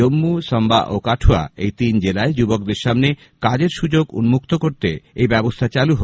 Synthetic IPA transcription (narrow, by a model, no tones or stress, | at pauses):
omːusɔmba̰ʔokaʈʰoa̰ejt̪ind͡ʑelaed͡ʑubok̚d̪eɾʃamne | kad͡ʑeɾʃud͡ʑoɡṵnmuk̚t̪okoɾt̪eejbɛbost̪ʰat͡ɕaluɦo